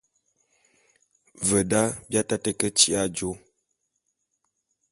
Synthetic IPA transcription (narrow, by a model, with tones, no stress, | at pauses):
və˨da˦bja˦ta˦tə˦kə˦t͡ʃi˦a˦˨d͡ʒo˨˦